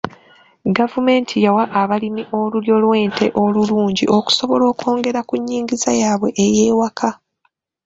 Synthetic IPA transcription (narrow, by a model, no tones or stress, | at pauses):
ɡavume̞ːntʰijawaʔaβalimiʔo̞luɾjo̞lwe̞ːntʰe̞̰ʔo̞luluːɲɟiʔo̞ku̥so̞βo̞lo̞ːko̞ːŋɡe̞ɾakuɲːiːŋɡizajaːβwe̞ʔejeːwakʰa